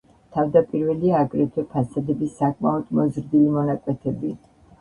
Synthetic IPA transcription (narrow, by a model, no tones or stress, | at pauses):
t̪ʰavd̪apʼiɾvɛliaːɡɾɛt̪ʰwɛpʰasad̪ɛbisːakʼmaɔd̪̥mɔzɾd̪ilimɔnakʼwɛt̪ʰɛbi